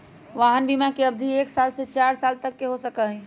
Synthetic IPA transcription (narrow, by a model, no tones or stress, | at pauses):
ʋaːɦənbimakeɐb̚d̪ʱieːksaːlset͡ʃaːɾsaːlt̪ɐkːeɦosɐkaɦɛ̃ː